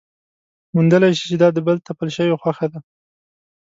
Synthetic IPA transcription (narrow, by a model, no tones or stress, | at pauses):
mund̪əlajʃi̥t͡ʃed̪ɑd̪əbəlt̪apəlʃəwexwaxad̪a